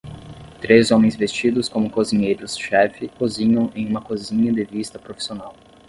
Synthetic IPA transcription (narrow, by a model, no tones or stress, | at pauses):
t̪ɾezõmẽj̃zvest͡ʃid̪ʊskõmʊkoziɲejɾʊsʃɛfɪkoziɲɐ̃w̃ẽj̃ũmɐkozĩɲɐd̪ɪvist̪ɐpɾofi̥sionaw